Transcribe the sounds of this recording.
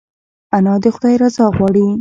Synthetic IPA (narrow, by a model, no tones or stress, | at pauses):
anɑd̪əxʊd̪ɑjɾazɑɣwɑɽi